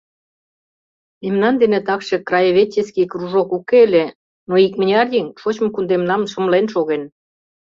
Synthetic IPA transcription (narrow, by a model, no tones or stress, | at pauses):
memnɑnd̪enet̪ɑkʃĕkrɑjəβet͡ɕʲːeskikruʒokukelʲe | noik̚mə̆nʲeɑrjʲiŋʃot͡ɕmɤ̆kund̪emnɑmʃə̆mlenʃoɣen